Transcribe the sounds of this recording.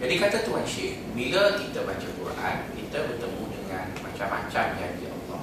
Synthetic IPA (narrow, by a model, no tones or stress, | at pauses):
d͡ʒadikat̪at̪uɦanʃɪʔ | milakit̪əbat͡ʃakuɾʔa̰nkit̪əbərt̪əmũdəŋãnmat͡ʃamã̰t͡ʃamjaŋdiʔɑ̰llːɔ̰h